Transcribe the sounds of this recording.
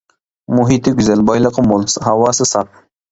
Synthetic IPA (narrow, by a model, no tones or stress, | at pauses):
muɦit̪ɪɡʲyzɛlbɑjlˠəqəmolˠshɑwɑːsɨsɑp̚